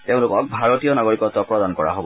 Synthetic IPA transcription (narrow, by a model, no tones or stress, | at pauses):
teʊ̃lʊkɔk̚bʱaɹotijɔnaɡoɹikɔtɔpɹɔdankɔɹa̰ɦobɔ